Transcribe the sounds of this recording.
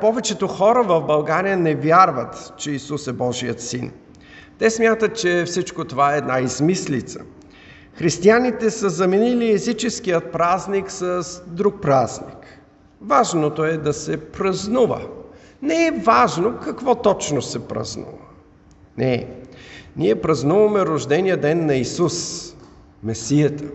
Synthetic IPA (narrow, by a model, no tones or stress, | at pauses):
pɔvɛt͡ʃɛt̪oxɔɾəvɐvbɐlˠɡaɾijənɛvʲjaɾvət̪t͡ʃɛisusɛbɔʒiət̪sin | t̪ɛsmʲjat̪ət̪̚t͡ʃɛfsit͡ʃkot̪ovaɛːd̪naizmislit̪sə̰ | xɾist̪ianit̪ɛsəzɐminiliɛzit͡ʃɛsk̟ijət̪̚pɾazniksəsd̪ɾuk̚pɾaznḭk | vaʒnot̪oɛd̪ɐsɛpɾɐznuvə̰ | nɛɛvaʒnokɐkvɔt̪ɔt͡ʃnosɛpɾɐ̰znṵvə | nɛ | niɛpɾɐznuvɐmɛɾoʒd̪ɛnijəd̪ɛnːɐisus | mɛsijət̪ə